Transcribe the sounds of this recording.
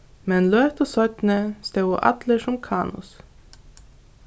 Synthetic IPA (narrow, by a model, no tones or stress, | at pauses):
mɛnløːt̪ɔsɔt̪nəst̪ɛwo̰ʔɑ̰d̪lɪʂɔmkʰɑːnʊ̰s